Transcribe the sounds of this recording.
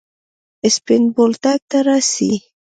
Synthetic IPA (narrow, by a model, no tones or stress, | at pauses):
ɪspɪnbolt̪ak̚t̪aɾɑsḭ